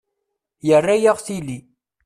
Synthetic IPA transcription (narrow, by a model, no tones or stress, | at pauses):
jərːæjaʁθili